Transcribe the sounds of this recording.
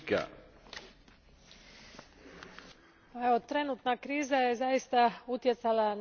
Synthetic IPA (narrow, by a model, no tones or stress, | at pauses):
ka̰ | aeo̞t̪ɾe̞nut̪nakɾiːzaje̞zajist̪aut̪jet̪salan